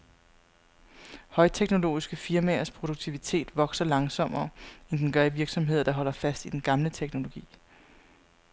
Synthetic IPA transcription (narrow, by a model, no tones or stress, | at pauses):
hɒ̽ɪt͡sʰeɡ̥no̝lo̝̰ːisɡ̥əfiɐmæɐspʰʁo̝ɾ̥uɡ̥̚t͡sʰiʋit͡sʰe̝̰ːd̥ʋɒ̽ɡ̥sɐlɑ̈ŋsɒ̽m̰ɐːend̥enɡ̥ɶɐiʋiɐɡ̥sɒ̽mɦe̝ð̰ˠɐd̥ɑ̈ɦɒ̽l̰ɐfæsd̥id̥enɡ̥ɑ̈mlət͡sʰeɡ̥no̝lo̝ɡ̥ḭː